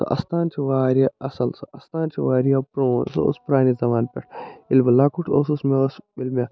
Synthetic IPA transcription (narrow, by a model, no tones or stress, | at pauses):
ɐ̰ʔɐ̰st̪aːnt͡ʃʰiʋaːɾjaɐsɐlsɨʔɐst̪aːnt͡ʃʰiʋaːɾijapɾoːnsɨ̰o̰spɾaːnizɐʋaːnpʲḛʈilbɐlakuʈʰoːsusmesmilmʲe